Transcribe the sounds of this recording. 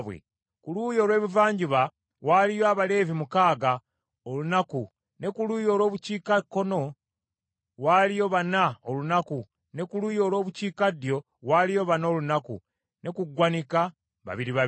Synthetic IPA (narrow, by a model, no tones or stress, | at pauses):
βwḛ | kuluːjo̞ːlwe̞ːβivaːɲɟiβa | waːlijoaβale̞ːvimukaːɡa | olunaku | ne̞kuluːjo̞ːlo̞ːβuciːkakːo̞no̞ | waːlijo̞βanaolunaku | ne̞kuluːjo̞ːlo̞ːβuciːkadjo̞ | waːlijo̞βano̞ːlunakṵ | ne̞kuɡwanika | βa̰βiɾiβa